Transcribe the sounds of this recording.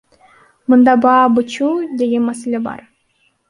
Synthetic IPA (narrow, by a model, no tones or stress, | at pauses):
mɯnd̪ɑbɑːbɯt͡ʃud̪eɡʲenmæselʲebɑ̰ɾ